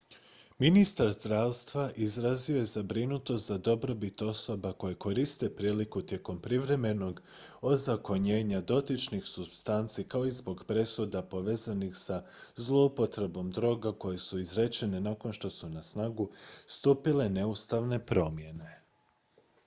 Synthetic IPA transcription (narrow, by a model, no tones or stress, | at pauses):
minist̪aɾzd̪ɾaːʋst̪ʋaʔizɾazio̞jezabɾinut̪ost̪zad̪o̞bɾo̞bit̪o̞so̞bako̞jeko̞ɾist̪e̞pɾiːlikut̪je̞ko̞mpɾiʋɾe̞me̞no̞ɡo̞zako̞ɲe̞ːɲad̪o̞t̪it͡ʃnixsubst̪ant̪sikaoizbo̞ɡpɾe̞sud̪apo̞ʋe̞ːzanixsazlˠo̞upo̞t̪ɾe̞bo̞md̪ɾo̞ːɡako̞je̞suizɾet͡ʃe̞ne̞nako̞nʃt̪o̞sunasnaːɡust̪uːpile̞ne̞ust̪aʋne̞pɾo̞mje̞ne̞